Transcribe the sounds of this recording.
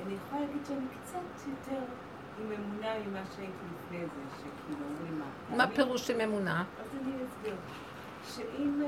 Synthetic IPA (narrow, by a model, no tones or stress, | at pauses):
anijeχojalaɡidʃeanikt͡satʰitɛl | imemunaimaʃaitʰilifnezeʃekʰilumima̰ | mapelˠuʃimemunaazaniasɡiʁ | ʃeʔim